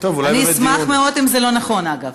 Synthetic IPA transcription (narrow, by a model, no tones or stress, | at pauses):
t̪ovlaniismaχmeo̞dimzelo̞naχo̞naɡav